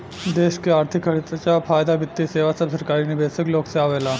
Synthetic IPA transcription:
d̪eɕkeaɾt̪ʰikəɽit̪t͡ɕjafajd̪abit̪ːiseʋasəbsəɾkaɾinibesəklokt͡seaʋela

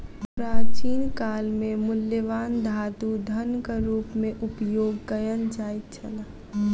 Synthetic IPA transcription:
pɾaːt͡ʃiːnkaːlmemʊljəʋaːnd̪ʱaːd̪ud̪ʱənkaɾuːpmẽʔʊpjoːɡkəjənt͡ʃaːit̪̚t͡ʃʰəna

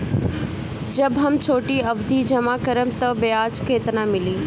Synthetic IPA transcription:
d͡ʑɐbɦɐmt͡ɕʰoːʈiɐbd̪ʱid͡ʑɐmakəɾəmt̪ɐbeaːd͡ʒkʰeːt̪nãmɪliː

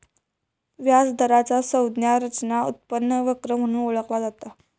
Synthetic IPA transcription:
ʋjad͡zd̪ʱəɾat͡sasəwd̪njaɾət͡ɕnaṵt̪̚pənːəʋəkɾəm̤əɽ̃ũːoɭəklad͡zat̪a

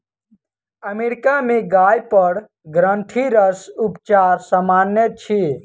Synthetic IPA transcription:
əmeɾikameɡajpəɾ | ɡɾəɳʈʰiɾəsupt͡ʃaɾsəmanjət͡ʃʰi

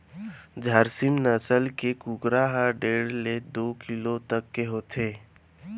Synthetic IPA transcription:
d͡ʒʱəɾsɪmnəsəlkekʊɡɾaɦaɖeːɽled̪oːkɪlot̪əkːeɦoːt̪ʰeː

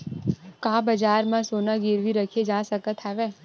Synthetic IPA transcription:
kãːbəd͡ʒaːɾmãsoːnaɡɪɾʋiɾəkʰed͡ʒaːsəkət̪ɦɛʋeː

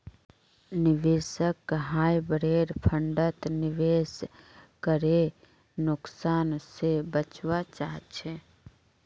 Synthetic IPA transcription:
nɪʋesəkːɦaːjbəɾeːɾpʰəɳɖət̪nɪʋeːskəɾe | nʊksaːnsebət͡ʃʋat͡ʃaːɦt͡ʃʰe

